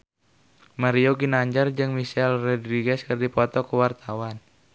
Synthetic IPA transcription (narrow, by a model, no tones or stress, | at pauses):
maɾioɡinaɲd͡ʒard͡ʒɨŋmisɛlrɛdɾiɡɛskərdipɔt̪ɔkəwart̪awan